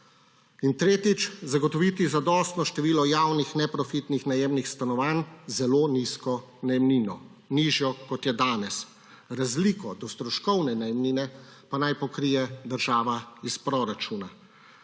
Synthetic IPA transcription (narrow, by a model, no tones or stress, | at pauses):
int̪ɾeːt̪it͡ʃzaɡɔt̪ɔʋiːt̪izad̪ɔst̪nɔʃt̪ɛʋiːlɔjaːwnixnɛpɾɔfit̪nixnajemnixst̪anɔʋanzɛloːniskɔ | najɛmniːnɔ | niːʒjɔkɔt̪jɛd̪aːnɛs | ɾazliːkɔd̪ɔst̪ɾɔʃkɔwnɛnajɛmniːnɛ | panajpɔkɾijɛd̪əɾʒaːʋaispɾɔɾat͡ʃuːna